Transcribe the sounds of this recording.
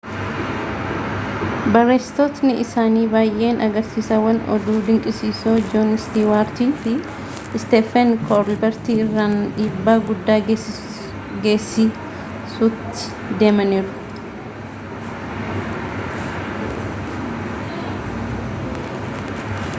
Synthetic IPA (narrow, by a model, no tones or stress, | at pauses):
bɐreːst̪ot̪nɪʔɪsaːniːbaːjʔe̞ːnʔɐɡɐɾsiːsɐwɐnɔ̰d̪uːd̪ɪŋkʼɪsiːsoːd͡ʒonɪst̪iːwaːɾt̪iːfɪ | st̪ɛːfɛnkʰɔɾlbɛɾt̪iːɪrːaːniːbːaːɡʊd̪ːaːɡe | ɡe̞ːsiː | sʊt̪ːɪ̥ | d̪e̞ːmɐniːɾʊ̥